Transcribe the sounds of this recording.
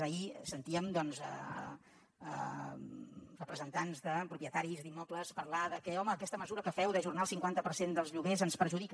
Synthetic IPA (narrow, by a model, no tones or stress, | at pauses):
əisənt̪iəmd̪ɔnzə̰ | ə | rəpɾəzənt̪anzðəpɾupjət̪aɾizd̪imːɔpləspəɾlaðəkɛɔməːkɛst̪əməzuɾəkəfɛwðəʒurnaəlˠsiŋkwant̪əpəɾsend̪əlˠzʎuɣezənspəɾʒuðik